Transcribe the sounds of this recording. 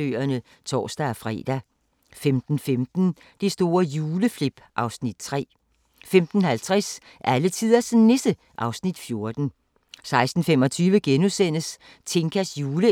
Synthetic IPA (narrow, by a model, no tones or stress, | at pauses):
ø̰ːɐnə | t͡sʰɒ̰ːsd̥æɒfʁɛ̰ːd̥æ | femd̥n̩femd̥n̩ | d̥esd̥o̝ːɐjuːləfle̝b̥ʔɑ̈ʊsnid̥̚t͡sʰʁɛ̰ː | femd̥n̩hælt͡sʰʁas | ʔælət͡sʰið̰ˠɐsenesd̥ə | ʔɑ̈ʊsnid̥fjo̝ɐd̥n̩ | sɑ̈ɪsd̥n̩femɒ̽t͡sʰyːʋəɡ̥enusen̰əs | t͡sʰe̝ŋkʰæsjuːlə